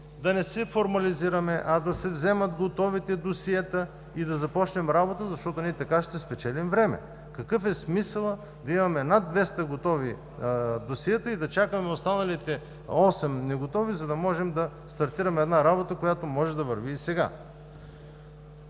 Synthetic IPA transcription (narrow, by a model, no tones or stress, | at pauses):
d̪ɐnɛsɛfoɾmɐliziɾɐmɛʔɐd̪ɐsɛvzɛmɐt̪ɡot̪ɔvit̪ɛd̪osiɛt̪ə | id̪ɐzɐpɔt͡ʃnɛmɾabot̪əzɐʃt̪ɔt̪ʊniɛt̪ɐkaʃt̪ɛspɛt͡ʃɛlimvɾɛmɛ̰ | kɐkɤfɛsmisəlˠə | d̪ɐimɐmɛnad̪ːvɛst̪ɐɡot̪ɔvi | d̪osiɛt̪əid̪ɐt͡ʃakəmɛost̪anɐlit̪ɛ | ɔsɛmnɛɡot̪ɔvizɐd̪ɐmɔʒɛmd̪ɐ | st̪ɐɾt̪iɾɐmɛɛd̪naɾabot̪əkojat̪omɔʒɛd̪ɐvɐɾviːsɛɡa̰